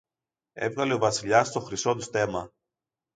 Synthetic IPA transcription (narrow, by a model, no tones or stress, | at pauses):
e̞̰vɣɐle̞ovɐsiʎɐst̪o̞xɾiso̞t̪ust̪e̞mɐ